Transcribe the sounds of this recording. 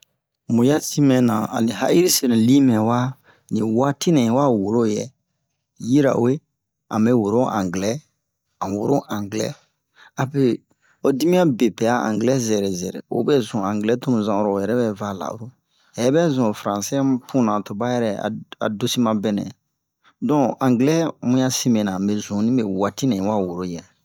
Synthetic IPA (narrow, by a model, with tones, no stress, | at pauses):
mũ˨ja˦si˦mɛ̃˨nã̰˨a̰˨li˨ha̰˦i˦ɾi˦se˨nẽ˨li˦mɛ̃˨wa˦ | nĩ˨wa˦ti˦nɛ̃˨˦wa˦wo˨lo˦˨jɛ̰˦˨ | ji˦ɾa̰˨we˦ | ã̰˨mbɛ˦wo˨ɾo˦ʔã̰˨ŋɡlɛ˦ | ã˨wo˨ɾo˦ʔã˨ŋɡlɛ̰˦ | a˨pe˦ | o˦di˦mĩ˦a˦be˨pɛ˨a˦ã̰˨ŋɡlɛ˦zɛ˨ɾɛ˨zɛ˨ɾɛ̰˨o̰˨˦bɛ˦zũ˨ã˨ŋɡlɛ˦to˦mũ˨zã˨o˦ɾo˨jɛ˨ɾɛ˦bɛ˦va˦˨la̰˨o̰˦ɾo˦ | ɛ˨˦bɛ˦zɔ̃˨fɾã˨si˦pʰũ˦˨nã˨to˨ba˦jɛ˦ɾɛ˦a̰˨a̰˨do˦si˦mã˦bɛ˦nɛ̰̃˨ | dɔ̃˦˨ã˨ŋɡlɛ˦mũ˦ja˦si˦me˨nã˨mbe˦zũ˨˦nĩ˦be˦˨wa˦ti˦nɛ̃˨ĩ˨˦wa˦wo˨ɾo˦˨jɛ˨